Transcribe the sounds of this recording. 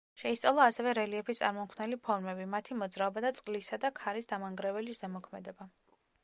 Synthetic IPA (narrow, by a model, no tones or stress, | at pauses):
ʃɛist̪sʼalˠɔasɛvɛɾɛliɛpʰist̪sʼaɾmɔmkʰnɛlipʰɔɾmɛbimat̪ʰimɔd̪zɾaɔbad̪at̪sʼqʼlisad̪akʰaɾisd̪amaŋɡɾɛvɛlizɛmɔkʰmɛd̪ɛba